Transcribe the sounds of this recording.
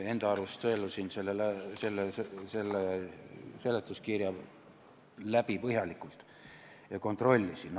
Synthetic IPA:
e̞nd̪̥ɑɑɾust̪ɤelusinselːelæse̞lːesse̞lːe | se̞let̪ːˑuskirjɑ | læb̥ipɤɦjɑlikːˑult̪ˑ | jɑko̞nt̪ˑro̞lʲːisin

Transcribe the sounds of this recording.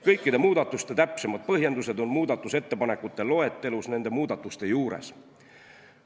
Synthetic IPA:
kɤjkˑːid̪e̞muːd̪̥ɑt̪ːˑust̪e̞t̪æpse̞mɑd̪̥̚pɤɦje̞nd̪use̞d̪o̞nmuːd̪ɑt̪ːˑuse̞t̪ːe̞pɑne̞kːut̪ːˑe̞lo̞e̞t̪ːˑe̞lusne̞nd̪̥e̞muːd̪̥ɑt̪ːˑust̪e̞juːɾe̞̰s

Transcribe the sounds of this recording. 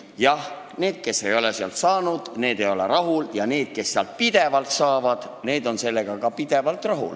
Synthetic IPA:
jɑh | ne̞ːd̪̥̚ke̞se̞jo̞lesiɑ̰lt̪sɑːnud̪̥ne̞ːd̪e̞jo̞lerɑɦuljɑne̞ːd̪̥̚ke̞sːeɑ̰lt̪̚pid̪̥e̞vɑlt̪sɑːvɑd̪̥ | ne̞ːd̪o̞nse̞lːe̞ɡ̥ɑkɑpid̪̥e̞vɑlt̪rɑɦṵl

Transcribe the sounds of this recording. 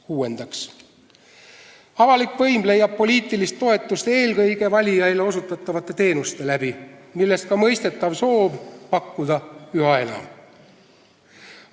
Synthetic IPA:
kuːe̞nd̪̥ɑks | ɑvɑlikvɤjmle̞jːɑb̚po̞lʲiːt̪ːˑilist̪ːo̞e̞t̪ːˑust̪e̞ːlkɤjɡ̥e̞vɑlʲijɑjle̞o̞sut̪ːˑɑt̪ːˑɑvɑt̪ːˑe̞t̪e̞ːnust̪e̞læb̥imilːe̞st̪̚kɑmɤ̞jst̪e̞t̪ːˑɑvso̞ːbpɑkːud̪̥ɑyɦɑe̞lɑ̰m

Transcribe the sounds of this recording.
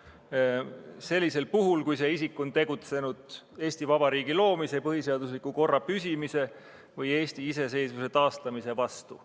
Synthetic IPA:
se̞lʲːise̞lpuɦulkujse̞isikːˑo̞nt̪e̞ɡ̥ut̪se̞nud̪̥e̞ːsʲt̪ivɑb̥ɑɾiːɡ̥ilo̞ːmise̞pɤɦhise̞ɑd̪̥uslikːuko̞rːɑpysʲimise̞ | vɤje̞ːsʲt̪iise̞s̬e̞jsvuse̞t̪ɑːst̪ɑmise̞vɑst̪ṵ

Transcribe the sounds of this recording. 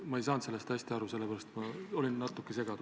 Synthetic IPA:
mɑejsɑːnse̞lːe̞st̪æsʲt̪iɑɾuse̞lːepæɾɑst̪mɑo̞lʲinːɑt̪ːˑukːˑese̞ɡ̥ɑd̪̥u

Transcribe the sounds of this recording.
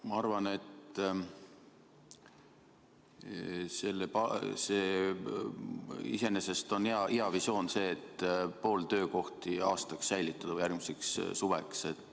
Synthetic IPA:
mɑɑrvɑne̞t̪ | se̞lːepɑse̞ː | ise̞ne̞se̞st̪o̞nɑʔiɑvisjo̞ːnse̞ːt̪po̞ːlt̪ø̞ːko̞ht̪iɑ̰ːst̪ɑksːæjlit̪ːˑɑd̪̥ɑvɯjærɡ̥mise̞kssuvekse̞t̪ːˑ

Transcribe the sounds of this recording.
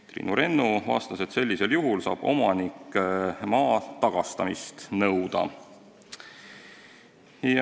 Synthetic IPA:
t̪rḭːnuɾe̞nːuvɑ̰ːst̪ɑse̞t̪se̞lːise̞ljuɦulsɑ̰ːb̥o̞̰mɑnikːˑmɑːt̪ɑɡ̥ɑst̪ɑmist̪nɤwd̪̥ɑ̰ | j

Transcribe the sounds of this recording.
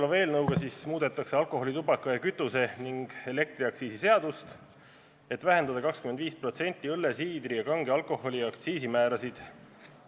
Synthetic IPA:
lɑve̞ːlnɤwɡ̥ɑsismuːd̪̥e̞t̪ːˑɑkse̞ɑlko̞ɦolit̪ubɑkːˑɑjɑkyt̪ːˑuse̞niŋɡ̥e̞le̞k̚t̪ɾiɑkt̪siːsise̞ɑd̪̥ust̪ | e̞t̪ːˑvæɦe̞nd̪ɑd̪ɑkɑkskyme̞nd̪viːspro̞t̪senʲt̪ːiɤlːe̞siːd̪ɾijɑkɑŋɡeɑlkˑo̞ho̞liɑkt̪siːsimæːɾɑsid̪̥

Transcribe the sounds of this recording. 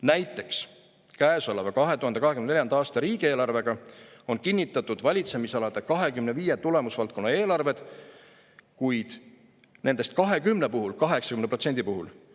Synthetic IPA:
næjt̪ːˑe̞ks | kæːsɑlɑvɑkɑɦe̞t̪uhɑnd̪ɑɦekynneljɑnd̪ɑɑːst̪ɑɾiːɡ̥ie̞ːlɑrve̞ɡ̥ɑo̞nkinʲːit̪ːˑɑt̪ːˑud̪vɑlʲit̪se̞misɑlɑd̪̥e̞kɑɦe̞kymne̞viːjet̪ule̞musvɑlt̪̚ko̞nːɑe̞ːlɑrve̞d̪̥ | kujd̪̥ | ne̞nd̪e̞st̪̚kɑɦe̞kymne̞puhulkɑɦe̞ksɑkymnepro̞t̪se̞nd̪̥ipuɦul

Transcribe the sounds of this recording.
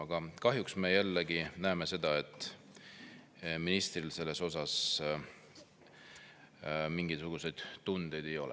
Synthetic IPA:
ɑɡ̥ɑkɑɦjuksme̞jælːeɡinæeme̞se̞d̪ɑe̞t̪ːˑ | minist̪rilse̞lːe̞so̞s̬ɑs | miŋɡit̪suɡ̥use̞jd̪̥t̪und̪̥e̞jd̪̥e̞jo̞lɛ̰

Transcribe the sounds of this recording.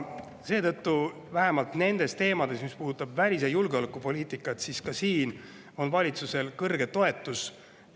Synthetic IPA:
se̞ːt̪ɤt̪ːu | væɦe̞mɑlt̪ne̞nd̪̥e̞st̪e̞ːmɑd̪̥e̞smispuːd̪ut̪ːˑɑbvælʲis̬ejulɡeo̞lekːˑupo̞lʲiːt̪ˑikːˑɑt̪siskɑsiːn | o̞nvɑlʲit̪suse̞lkɤrɡe̞t̪o̞e̞t̪ːˑus

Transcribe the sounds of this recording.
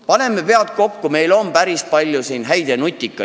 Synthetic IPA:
pɑne̞mːepe̞ɑt̪̚ko̞kːume̞jlo̞mpæɾispɑlʲjusinɦæjd̪̥e̞nut̪ʲːˑikːˑɑ

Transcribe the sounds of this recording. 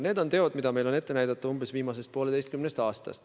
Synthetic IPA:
ne̞ːd̪o̞nt̪e̞o̞d̪̥mid̪ɑme̞jlo̞ne̞t̪ːe̞næjd̪ɑt̪ːˑuumbe̞sviːmɑse̞st̪̚poled̪e̞jst̪̚kymnest̪ɑːst̪ɑ̰st̪

